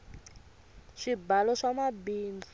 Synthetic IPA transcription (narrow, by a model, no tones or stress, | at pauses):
ʂibalɔʂamabiːnd͡zu